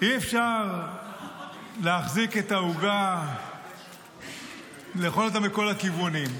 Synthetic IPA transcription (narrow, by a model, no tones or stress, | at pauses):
iefʃaʁ | leaχziketauɡa | leχolat̪̬amiko̞lakivunim